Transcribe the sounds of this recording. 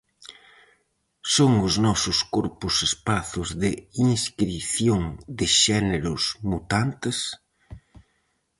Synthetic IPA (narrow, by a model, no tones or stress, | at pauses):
soŋʊznɔsʊskoɾpʊsespaθʊzðɪiŋskɾiθjoŋd̪ɪʃɛneɾʊsmut̪ant̪ɪs